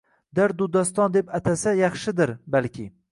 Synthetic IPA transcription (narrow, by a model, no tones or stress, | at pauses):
d̪aɾd̪ud̪ɒst̪ɒnd̪e̞pat̪ʰasajɑχʃɪd̪ɪɾbalkʲɪ